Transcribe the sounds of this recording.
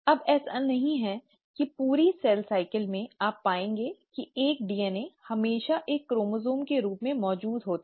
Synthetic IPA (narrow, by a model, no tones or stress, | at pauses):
ɐbɛːsɐnːɐɦĩɦɛ | kipuːɾisɛːlsaːɪkəlmẽaːpːaːẽːŋɡekieːk̚ɖiːɛːnehɐmeːʃaʔeːkːɾoːmozoːmkeɾuːpmẽmɔːd͡ʒuːd̪ɦoːt̪ː